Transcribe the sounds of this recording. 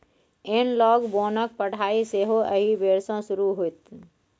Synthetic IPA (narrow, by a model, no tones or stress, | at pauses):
enlɔːɡboːnək̚pəɽ̤ʱaːiseɦoʔəɦibeːɾsõsʊɾuɦoit̪